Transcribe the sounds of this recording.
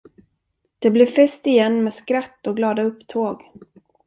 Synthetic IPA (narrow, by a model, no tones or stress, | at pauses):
d̪̥ɛblɪɾfɛst̪ɪjɛnːmɛːskɾat̪ːɔɡlɑːd̪aɵpːt̪ʰoːɡ